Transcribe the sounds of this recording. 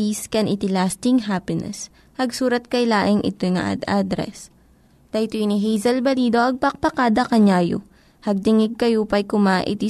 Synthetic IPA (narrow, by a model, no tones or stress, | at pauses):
iskɐnʔɪt̪ɪlaːst̪ɪŋɦapɪnɛ̰s | hɐɡsuːɾɐt̪̚kɐjlaːʔɪŋʔɪ̰t̪ojŋa̰ʔa̰d̪ad̪ɾɛ̰s | t̪ɐjt̪oɪniɦɛjzɐlbɐliːd̪oʔɐɡ̚pɐk̚pɐkaːd̪ɐkɐɲaːjo̰ | hɐɡ̚t̪ɪŋɪɡ̚kɐjopɐjkʊmaʔɪ̰t̪i